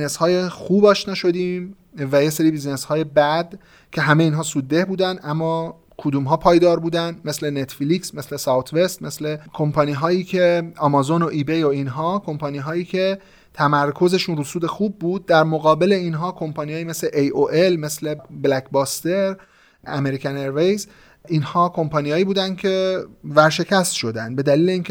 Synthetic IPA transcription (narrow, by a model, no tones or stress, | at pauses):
neshɒːjexuːbɒːʃnɒːʃo̞d̪iːm | væje̞seɾiːbizne̞shɒːje̞bæd̪ | cʰe̞ɦæmeeiːnɦɒːsuːd̪ːe̞hbuːd̪ænd̪ʔæmːɒː | kʰod̪uːmɦɒːpʰɒːjd̪ɒːɾbuːd̪ænd̪me̞slenet̪fliksme̞slesɑwt̪ʰve̞st̪me̞slekʰo̞mpʰɒniːɦɒːiːcʰe̞ɒmɒzono̞ʔiːbejoinɦɒːkʰo̞mpʰɒniːɦɒːjiːcʰe̞ | t̪ʰæmæɾkʰo̞ze̞ʃunɾusuːd̪e̞xuːb̚ːuːd̪̚ːæɾmoɣɒːbe̞le̞inɦɒːkʰo̞mpʰɒnijɒːjiːme̞sleʔejʔoʔelme̞sle̞blækbɒːst̪e̞ɾ | æme̞ɾicæneɾvejz | ʔinhɒːkʰo̞mpɒːniːhɒːjiːbuːd̪ænd̪̥̚cʰe̞væɾʃe̞cʰæst̪ʃo̞d̪ænd̪̚be̞d̪æliːle̞iːncʲʰe